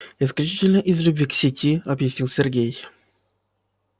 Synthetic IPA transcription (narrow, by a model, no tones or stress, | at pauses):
ɪsklʲʉt͡ɕitʲɪlʲnəʔɪzlʲʉbʲvʲiksʲɪtʲʰiɐbjɪsʲnʲilˠsʲɪrɡʲej